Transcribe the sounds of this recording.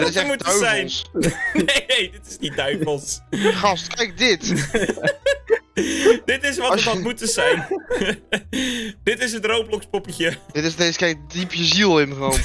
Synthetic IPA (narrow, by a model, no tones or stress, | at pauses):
dɪɪsmutdəzɛjnˠsnenejdɪtɪ̥snidœɥvəlˠsχɑstkɛjk̚dɪt | d̥ɪtɪsʋɑəɔmutəzɛjn | d̥ɪtɪsɦətrowplɔkspopəcjədɪtɪsdɪskejdipjəzilˠɪmχəon